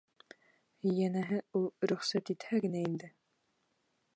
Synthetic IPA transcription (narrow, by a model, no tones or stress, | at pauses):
jænæɦɘulˠɾɵ̆χsæt̪it̪hæɡɘ̆næind̪ɘ